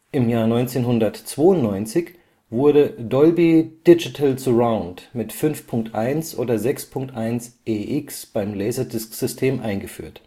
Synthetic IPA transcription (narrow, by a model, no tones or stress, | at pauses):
ʔɪmjaːɐnɔʏnt͡seːnɦʊndɐtt͡sv̥oːʊntnɔʏnt͡sɪç | vʊɐɾədɔlbid̥ɪd͡ʒitʰəlsəʁaʊ̃ntmɪtfʏnfpʰʊŋk̚tʔaɪnsʔoːdɐzɛkspʰʊŋk̚tʔaɪnsʔeːʔɪksb̥aɪmlɛːzɐdɪskz̥ʏstʰeːmʔa̰ɪnɡəfy̰ːɐt